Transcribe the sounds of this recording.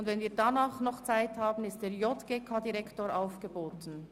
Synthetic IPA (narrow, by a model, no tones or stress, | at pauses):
ʊndvɛnviːɐdanaːχnɔχt͡saɪthaːbn̩ɪst̚d̥eːjɔtɡ̥eːkʰaːdiʁɛktoːɾaʊfɡ̥əboːtn̩